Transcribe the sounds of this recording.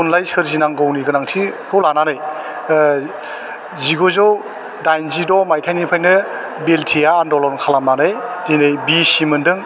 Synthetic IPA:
unlajsɯɾzinaŋɡɯwniɡɯnaŋtʰikʰɯwlananɯj | ziɡozɯw | dajnzidɔmajtʰajnipʰajnɯ | beltʰijaːndɔlɔnkʰalamnanɯjdinɯjbisimɯndɯŋ

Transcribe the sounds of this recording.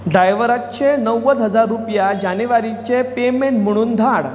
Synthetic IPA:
ɖɾajʋəɾat̪t͡ɕenəwəd̪ɦəd͡zaɾːupjad͡ʑaneʋaɾit͡ɕepemeɳʈm̤əɽ̃uːnd̪ʱaɽ

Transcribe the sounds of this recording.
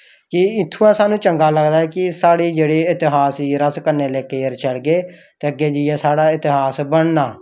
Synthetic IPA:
kɪɪt̪ʰːuːãːsaːnũːt͡ʃəŋɡaːləɡd̪aːɛːkɪsaːɽiːd͡ʒeːɽeːɪt̪ɪɦaːsiːɾəskəɾneːlɛːkeːəɾt͡ʃəlɡeː | t̪eːəɡːeːd͡ʒijɛːsaːɽaːɪt̪ɪɦaːsbəɳnaː

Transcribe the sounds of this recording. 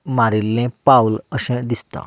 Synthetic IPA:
maɾilːẽpauləsɛ̃d̪ist̪ã̰

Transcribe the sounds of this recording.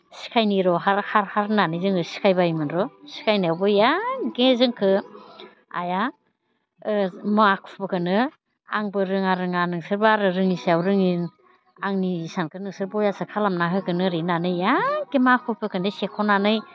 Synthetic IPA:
si̥kʰajniɾɔhaɾhaɾhaɾnanɯjzɯŋkɯsi̥kʰajbajmɯnɾɔsi̥kʰajnawbɯjaɡezɯŋkʰɯ | a̰ja | makʰu̥pɯkʰɯnɯ | aŋbɯɾɯŋaɾɯŋanɯŋsɯɾbaɾɯɾɯŋisawɾɯŋin | aŋnisankʰɯnɯŋsɯɾbɔjasɯkʰalamnaɦɯɡɯnɯɾinanɯjaɡemakʰupʰɯkɯnɯsekʰɔnanɯj

